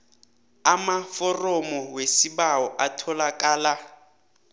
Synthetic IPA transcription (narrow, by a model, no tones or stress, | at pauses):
amafɔrɔmɔwesibaɔʔatʰɔlakʼaːla